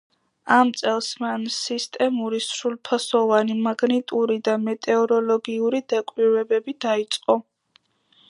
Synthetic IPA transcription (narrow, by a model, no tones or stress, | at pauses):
amt̪sʼɛlˠsmansist̪ʼɛmuɾisɾulˠpʰasɔvanimaɡnit̪ʼuɾid̪amɛt̪ʼɛɔɾɔlɔɡiuɾid̪akʼwiɾɛbɛbid̪ait̪sʼqʼɔ